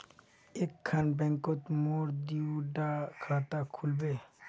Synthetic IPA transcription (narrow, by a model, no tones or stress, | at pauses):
ekʰːanbɛ̃ŋkot̪moːɾd̪iuɖakʰaːt̪akʰulbeː